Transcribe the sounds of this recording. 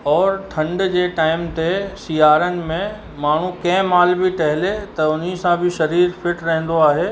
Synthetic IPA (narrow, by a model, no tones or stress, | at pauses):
ɔːɾʈʰɐ̃ɳɖd͡ʑeːʈaːɪmt̪esijaːɾənɪ̆mẽ | maːɳ̤ũkɐ̃ɪ̃maːlbɪʈɐɦɪlet̪ɐʊn̤isãbɪʃɐɾiːɾfɪʈɾɐɦɪ̃n̆d̪oaːɦeː